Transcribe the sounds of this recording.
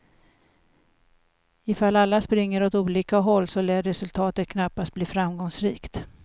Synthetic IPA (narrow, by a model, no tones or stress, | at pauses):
ɪfalalːaspɾɪŋːəɾɔt̪uːliːkaɦɔlːsɔlɛːɾɛsɵlt̪ʰɑːt̪ət̪̚kʰnapːast̪bliːfɾamɡɔŋsɾiːkt̪